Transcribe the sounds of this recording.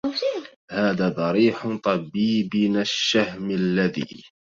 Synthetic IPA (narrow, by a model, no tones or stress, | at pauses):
haːðaːd̪ˤɑɾiːħt̪ˤɑbiːbnaʃːahmalːaðḭː